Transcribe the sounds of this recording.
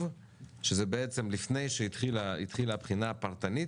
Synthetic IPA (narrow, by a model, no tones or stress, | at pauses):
v | ʃezebeet͡semlifne̞jʃeit̪χilaḭt̪χilaabχinaapaʁt̪ani